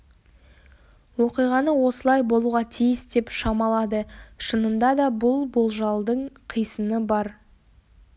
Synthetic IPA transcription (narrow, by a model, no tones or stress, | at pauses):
woqijʁɑnəwo̞səlˠɑjbo̞lˠuʁɑt̪ʰijəsd̪e̞pʃɑmɑlˠɑd̪əʃənənd̪ɑd̪ɑbʊlˠbolˠʒɑlˠd̪əɴqʰijsənəbɑɾ